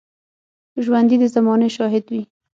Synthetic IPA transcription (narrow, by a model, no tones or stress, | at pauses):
ʒwand̪id̪əzamɑneʃɑɦɪd̪wi